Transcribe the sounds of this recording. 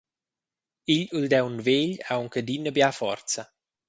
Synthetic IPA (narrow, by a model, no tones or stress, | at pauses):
iʎuld̪ɛwunveːʎauŋkəd̪inəbjafɔ̰rt̪t͡sa